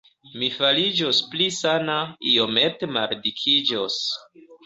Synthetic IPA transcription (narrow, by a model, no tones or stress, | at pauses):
mifalid͡ʒosplisanaio̞me̞temaɾdikʰid͡ʒos